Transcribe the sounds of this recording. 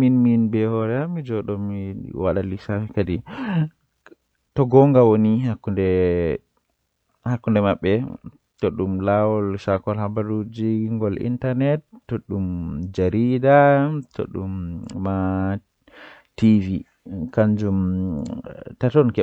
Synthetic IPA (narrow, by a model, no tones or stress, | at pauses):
minminbɛhɔɾɛamid͡ʒɔɗɔmiwaɗalisafikadi | tɔɡɔŋɡawonihakːundɛ | hakːundɛmaɓːɛ | tɔɗumlawɔlʃakɔlhabaɾud͡ʒiŋɡɔlḭntaɾnɛtːɔɗumd͡ʒaɾidatɔ̰ɗṵmːa | tivi | kaɲd͡ʒum | tatɔnkɛ